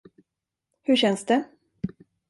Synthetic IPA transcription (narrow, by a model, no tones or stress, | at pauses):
hɵɕɛnsd̪ɛ